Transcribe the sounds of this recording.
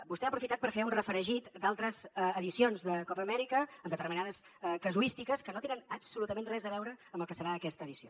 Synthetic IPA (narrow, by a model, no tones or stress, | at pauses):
bust̪ɛaːpɾufit̪at̪̚pəɾfeunrəfɾəʒit̪d̪alˠt̪ɾəzːðisionzðəkɔpəːmɛɾikəːmd̪ət̪əɾminaðəskəzuist̪ikəskənot̪enənəbsulut̪əmẽnrɛzəβɛwɾəəmbəlˠkəsəɾaəkɛst̪əːðisio